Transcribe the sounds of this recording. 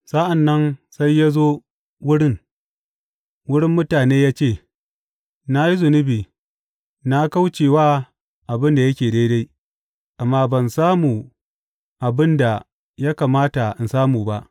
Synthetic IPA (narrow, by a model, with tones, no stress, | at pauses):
sa˦ʔa˨nːɐ˦nsa˦jːa˦zoː˦ | wʊ˦ɽɪ˦ŋ | wʊ˦ɽɪ˦mːʊ˦taː˨neː˦jaː˦t͡ʃeː˦˨ | na˦ji˦zʊ˨nʊ˦biː˨ | na˦ka˦wt͡ʃeː˨waː˦ | ʔa˨bɪ˦nda˨jɐ˦kʲeː˨da˦da˦j | ʔa˨mːaː˦bɐ˨nsaː˦muː˨ | ʔa˨bɪ˦nda˨ | ja˦ka˨maː˦ta˨ʔɪ˨nsaː˦muː˨ba˦ʔ